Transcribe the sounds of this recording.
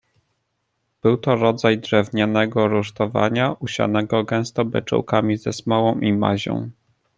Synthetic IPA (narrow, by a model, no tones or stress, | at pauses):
b̥ɘwt̪ɔɾɔd̪zajd̪ʐɛvɲanɛɡɔɾuʂt̪ɔva̰ɲaʔuɕa̰nɛɡɔɡɛ̃w̃st̪ɔbɘ̰t͡ʂɔ̰wkamʲizɛsmɔwɔ̃w̃ʔima̰ʑɔ̰̃w̃